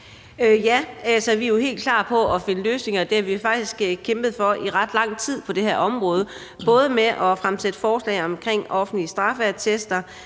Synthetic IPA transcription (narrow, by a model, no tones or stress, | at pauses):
øjææsɒ̽ʋijohe̝̰ːld̥kʰlɑ̰̈ːpʰɒ̽ɒ̽fe̝nəløːsne̝ŋɐd̥eæɐʋifɑ̈ɡ̥̚d̥isɡ̥kʰemb̥ð̞̩ˠfɒ̽ʔiʁɑd̥lɑ̈ŋ̰t͡sʰið̞̰ˠpʰɒ̽d̥e̝hæɐ̰ɒ̽mʁɔ̽ːð̞ˠə | b̥ɔ̽ːð̞ˠəmeʔɒ̽fʁamsed̥əfɒːslɛ̰ɪɒ̽mkʰʁeŋ̰ɒ̽fn̩liəsd̥ʁɑ̈fæɐt͡sʰesd̥ɐ